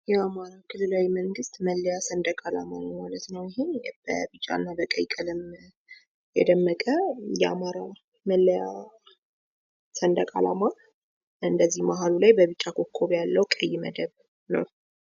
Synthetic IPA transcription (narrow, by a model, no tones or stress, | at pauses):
jɛamaɾakʰɨlːɨlawiməŋɡɨst̪məlːəjasənd̪əkʼalamanəwmalət̪nəwjɪɦeb̥ə̰bɨt͡ʃʼːa̰nːabəkʼəjkʼəlɨm | jɛd̪əmːəkʼəjɛa̰maɾa | məlːəja | sənd̪əkʼa̰lama | ɨnd̪əzːihmaɦalulajbəβɨt͡ʃʼːakʰokʰːoβjalːəwkʼəjːɪmə̰d̪əβ | nə̰w